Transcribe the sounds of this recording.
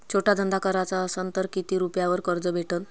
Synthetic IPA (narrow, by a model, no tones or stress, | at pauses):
t͡ɕʰoʈad̪ənd̪akəɾat͡saəsənt̪əɾkit̪iːɾupjaʋəɾkəɾd͡zəbʱeʈən